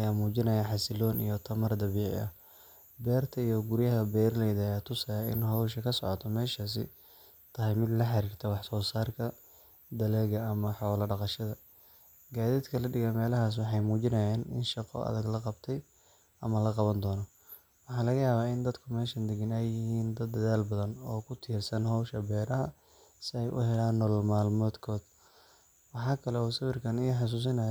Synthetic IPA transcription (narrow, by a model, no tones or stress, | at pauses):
ʔɐjaːmuːt͡ʃɪnɐjaħɑsɪlɔːnḭjɞt̪ʰɐmɐrd̪ɐβiːʕɪ̰ʔɐ̰ | bɛːrt̪ʰɐijɔɡʊɾjɐɦɐbɛːrlɛjðːjaːt̪ʰʊsɐjaːɪ̰nɦɐwʃɐkʰɐsɔʕɔt̪ʰɔmɛːʃas̬ɪ̰ | t̪ʰɐɦɛjmɪd̪lɐħɑɾiːrt̪ʰɛwɑħsɔːsaːrkʰɐ | d̪ɐlɛːɣɐɐmɐħɔːlɐɖɑqɑʃɐðɐ | ɡaːðiːd̪kʰɐlɐɖɪɣɐmɛːlɐɦaːs̬wɑħɑjmuːt͡ʃɪnɐjaːnɪ̰nʃɑqɔ̰ʔɐ̰ðɐɡlɐqɑbt̪ʰɛj | ʔɐmɐlɐqɑβɐnd̪ɔːnɔ | wɑħɑːlɐɣɐjaːβaːɪnd̪ɐd̪kʰʊmɛːʃɐnd̪ɪɡɪnɛjːɪhiːnd̪ɐd̪ːɐðaːlbɐðɐnɔːkʰʊt̪ʰiːrsɐnhɔwʃɐbɛːɾɐɦɐ | sɪɛjʔʊ̰hɛlaːnːɔːlmaːlmɔːd̪kʰɔːd̪̥ | wɑħɑːkʰɐlɛɔːsɐβɪrkʰɐnɪjħɑs̬uːs̬ɪnɐ